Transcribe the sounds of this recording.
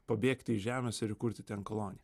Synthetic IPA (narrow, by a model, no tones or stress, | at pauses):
pɐbʲeːkt̪ʲɪɪʒʲæːmʲɛːsɪɾɪkʊɾʲt̪ʲɪt̪ʲɛnkolˠoːnʲɪ